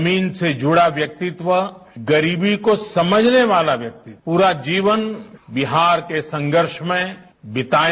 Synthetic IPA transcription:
miːnsed͡ʒʱʊɽaʋjɐk̚t̪ɪt̪ʋəɡɐɾiːbikosɐməd͡ʒʱneʋaːlaʋjɐk̚t̪ipuːɾad͡ʒiːʋənbɪɦaːɾkesɐ̃ŋɡəɾʃmẽ | bɪt̪aː

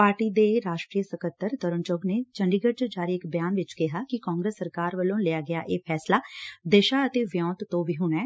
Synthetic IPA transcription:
paːɾʈiːd̪eːɾaːʃʈɾijəsəkət̪ːəɾt̪əɾənt͡ʃʊɡneːt͡ʃəɳɖiːɡəd͡ʒd͡ʒaːɾiːɪkbɪjaːnʋɪt͡ʃkɪɦaːkɪkaːŋɡɾəsːəɾkaːɾʋəlõːlɪjaːɡɪja̰ːʔeːpʰɛːslaːd̪eːʃaːət̪eːʋjɔ̃ːt̪t̪ːõːʋiːɦʊɳɛː

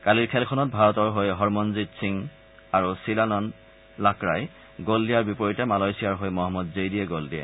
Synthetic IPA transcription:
kaliɹkʰɛlkʰɔnɔt̚bʱaɹɔtɔɹɦojɦɔɹmɔnzitsiŋ | aɹusilanɔn | lakɹaj | ɡoldijaɹbipɔɹitɛmalɔjsijaɹɦojmɔɦɔmːɔdzejdiɛɡoldiɛ̰

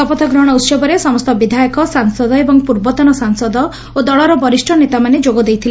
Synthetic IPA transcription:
ɔpɔt̪ʰɔɡɾɔɽ̃ɔut̪sɔbɔɾesɔmɔst̪ɔbid̪ʱajɔkɔsaŋsɔd̪ɔebɔŋpuɾbɔt̪ɔnɔsaŋsɔd̪ɔ | od̪ɔɭɔɾɔbɔɾisʈʰɔnet̪amaned͡ʒoɡɔd̪ejt̪ʰile

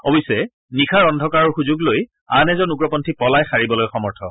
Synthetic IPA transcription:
ɔbisɛ | nixʰaɹɔndʱɔkaɹɔɹxuzuɡloj | anɛzɔnuɡɹɔpɔntʰipɔlajxaɹibɔlojxɔmɔɹtʰɔ

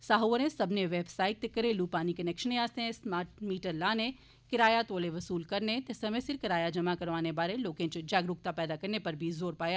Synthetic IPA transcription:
saːɦoʋəɾẽsɐbʱneʋeːbsaːɪk̚t̪ekːɐɾẽluːpaːnikɐnɛːkʃənẽaːst̪eẽsmaːɾʈ̚miːʈəɾlaːne | kɪɾaːjat̪oːleʋɐsuːlkɐɾnet̪esɐmẽsɪɾkɪɾaːjad͡ʒɐmakɐɾʋaːnebaːɾẽloːkẽt͡ʃd͡ʒaːɡɾʊk̚t̪apɛːd̪akɐɾnepɐɾbʱizoːɾpaːja

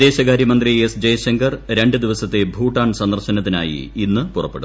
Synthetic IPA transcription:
d̪e̞ːɕɐɣaːɾjɐmɐnd̪riesd͡ʑejɕɐŋɡɐrɾe̞ɳɖɨd̪iʋɐsɐt̪ːe̞bʱuːʈːaːɳsɐnd̪ɐrɕɐnɐt̪̬ːina̰ːjḭinːɨpurɐ̰pːeɽu

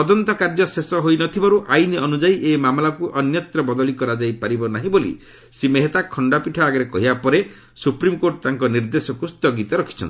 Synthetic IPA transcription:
t̪ɔd̪ɔnt̪ɔkaɾd͡ʒɔsesɔɦojnɔt̪ʰibaɾuʔajniɔnud͡ʒaiʔemamlakuʔɔnjɔt̪ɾɔbɔd̪ɔɭikɔɾad͡ʒajpaɾibɔnaɦĩbolḭ | simeɦet̪akʰɔɳɖapiʈʰaaɡɔɾekɔɦibapɔɾe | supɾimkoɾʈt̪aŋkɔniɾd̪esɔkust̪ɔɡit̪ɔɾɔkʰi̥t͡ʃʰɔ̰ni

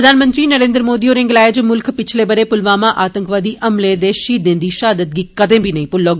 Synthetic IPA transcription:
ɾɐd̪ʱaːnmə̃nt̪ɾinɐɾẽːnd̪ɾmoːd̪ioːɾẽŋɡlaːɪd͡ʒmʊlkʰpɪt͡ʃʰlebɐɾepʊlʋaːmãʔaːt̪ə̃ŋkʋaːd̪iʔɐmled̪eʃiːd̪ẽːnd̪iʃaːd̪ət̪̚ɡiːkɐd̪ẽbʱinɐĩpʊlːoːɡ

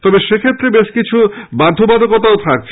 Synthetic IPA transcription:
t̪ɔbeʃekʰet̪ːɾebeʃkit͡ɕʰubad̪ʱobad̪okot̪aot̪ʰak̚t͡ɕʰ

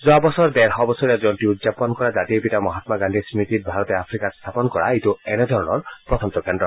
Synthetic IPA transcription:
zabɔsɔɹdɛɹɦɔbɔsɔɾɛzɔntiudzapɔnkɔɹazat̪iepitamɔɦat̪maɡand̪ʱismit̪it̚bʱaɾɔt̪eapʰɹikast̪ʰapɔnɔkɔɹa̰ituɛned̪ʱɔɹɔnɔɹpɹɔt̪ʰɔmt̪ɔkɛnɖɔ

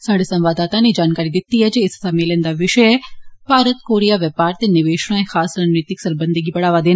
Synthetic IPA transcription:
saːɽesɐ̃mʋaːd̪aːt̪aned͡ʒaːnkaːɾid̪ɪt̪ːiɦɛd͡ʒeɪssameːlənd̪aʋɪʃəjɛb̥ʱaːɾət̪koːɾijaʋjɛpaːɾt̪enɪʋeːʃɽ̃aẽxaːsɾaːd͡ʒniːt̪ɪksɐɾbə̃nd̪ʱəɡibɐɽaːʋad̪eːn

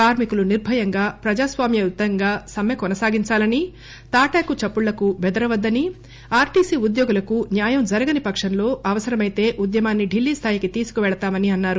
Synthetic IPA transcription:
kaːɾmikuluniɾbʱɐjɐŋɡaːpɾɐd͡ʒaːsʋaːmjɐjut̪ːɐŋɡaːsɐmjɐkɔnɐsaːɡiɲt͡ʃaːlɐni | t̪aːʈaːkut͡ʃɐpːuɭːɐkubɛd̪ɐɾɐʋɐd̪ːɐni | aːɾʈiːsiːud̪joːɡulɐkunjaːjɐmd͡ʒɐɾɐɡɐnipɐkʂɐnlo̞ːɐʋɐsɐɾɐmɐjt̪e̞ːʔud̪jɐmaːnːiɖilːiːst̪ʰaːjikit̪iːsu̥kuʋɛɭɐt̪aːmɐniɐnːaːɾu

